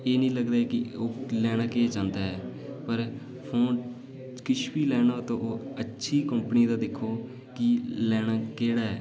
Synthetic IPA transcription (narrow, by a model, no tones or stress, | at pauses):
eːnĩːləɡd̪aːɛːkɪoːlɛːɽ̃aːkeːt͡ʃãːnd̪aːɦɛːpəɾ | pʰõːn | kɪʃʰpiːlɛːɽaːt̪õːʔoːətːʃʰiːkəmpniːd̪aːd̪ɪkʰːoː | kɪlɛːɽaːkeːɽaːɛː